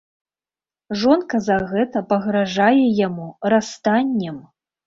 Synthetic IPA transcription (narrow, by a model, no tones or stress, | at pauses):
ʐɔnkɐzaɣɛt̪ɐpɐɣɾaʐajɛjamurast̪anʲːɐm